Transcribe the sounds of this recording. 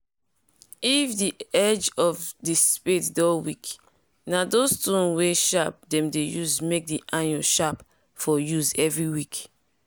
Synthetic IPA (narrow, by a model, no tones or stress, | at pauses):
ifdiɛd͡ʒɔfdispetdɔwik | nadostũnweʃap̚dɛ̃mdejuzmek̚diʔãnulʃap | fɔjuzɛvɹiwik